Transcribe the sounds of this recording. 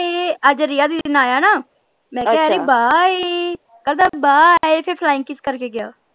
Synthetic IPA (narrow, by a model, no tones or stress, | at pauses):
eəd͡ʒɾɪjaːd̪iːɪnaːjaːnaː | mɛ̃ːkɛɛɾebaːeː | kəɾd̪aːbaːɛepʰɪɾpʰlaːɪ̃ŋkːɪskəɾkeːɡɪja̰ː